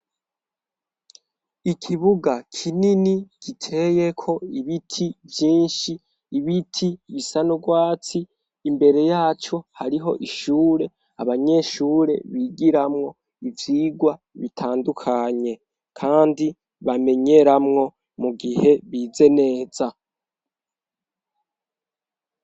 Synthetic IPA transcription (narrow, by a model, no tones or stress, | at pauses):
ikʰiβuɡakʰininiɡ̥itʰe̞je̞kʰo̞iβitʰivjiːnʃiː | βitʰiβisanuɡwaːt͡siː | mbe̞ɾe̞jaːt͡ʃo̞haɾiɦo̞ʔiʃuːɾe̞ | aβaɲe̞ʃuːɾe̞̰βiɡiɾamŋo̞ | ivjiːɡwa | βitʰaːndukʰaɲe̞ | kʰaːndi | βame̞ɲe̞ɾamŋo̞ | muɡihe̞βiːze̞ne̞ːz̥a